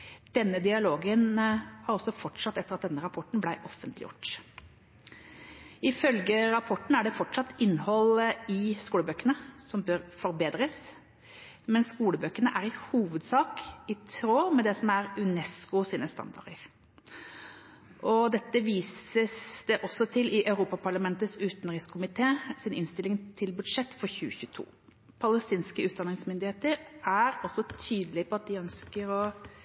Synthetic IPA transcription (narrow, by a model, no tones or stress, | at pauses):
d̪̥ɛnːəd̪ɪɑloːɡənhɑɾɔsːɔfɔʈʂɑt̪ːɛt̪əɾɑt̪̚d̪ɛnːəɾɑpʰɔʈːɳ̩blæɪʔɔfːənt̪lɪ̰jʊ̰ʈ | ɪfœlɡəɾɑpʰɔʈːn̩æɖɛfɔʈʂɑt̪ːɪnːhɔlɪskuːləbøːkəɳəsɔmbøɾfɔɾbeːd̪ɾəs | mɛnskuːləbøːkəɳəʔæɾɪhuːʋəd̪sɑːkɪt̪ʰɾoːmɛd̪ɛsɔmæɾʉnɛskʊsiːnəst̪ɑ̰nd̪ɑ̰ʁdəɾ | ʔɔd̪ɛt̪ːəʋiːsəsd̪ɛʔɔsɔt̪ʰɪlɪʔɑʉɾuːpɑpʰɑɾɭɑmɛnt̪ət̪sʉːt̪nɾɪskʰʊmɪt̪ʰeːsɪnʔɪnst̪ɪlɪŋt̪ʰɪlbʉd̪ʂɛt̪ːfɔɾçʉːəçʉːt̪ʰṵː | pʰɑləst̪iːnskəʉːt̪̚d̪ɑnɪŋsmʏnd̪ɪheːt̪əɾæɾɔsːɔt̪ʰyːd̪əlɪpʰɔɑt̪̚d̪ɪœnskəɾɔ